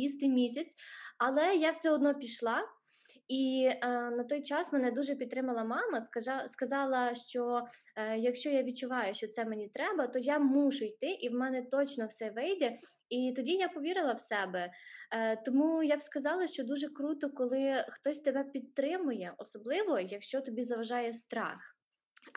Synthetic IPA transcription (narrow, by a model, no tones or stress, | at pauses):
ist̪ɪjmʲisʲɐt͡sʲɐlˠɛjawsʲɔɔd̪nɔpʲiʃlˠɑ | i | nɐt̪ɔjt͡ʃɑsmɛnɛd̪uʒɛpʲid̪t̪ɾɪmɐlˠɐmɑmɐɑskɐzɑlˠɐʃt͡ʃɔ | jɐkʃt͡ʃɔjaʋʲid̚t͡ʃʊʋɑjʊʃt͡ʃɔt̪sɛmenʲit̪ɾɛbɐt̪ɔjamuʒʊjt̪ɪʔiwmɛnɛt̪ɔt͡ʃnɔwsɛʋɪjd̪ɛ | it̪ɔdʲijapɔʋʲiɾɪlˠɐwsɛbɛ | t̪ɔmujabskɐzɑlˠɐʃt͡ʃɔd̪uʒɛkɾut̪ɔkɔlˠɪxt̪ɔsʲt̪ebɛpʲid̪̚t̪ːɾɪmʊjɛʔɔsɔblˠɪʋɔjɐkʃt͡ʃɔt̪ɔbʲizɐʋɐʒɑjɛst̪ɾɑ̰x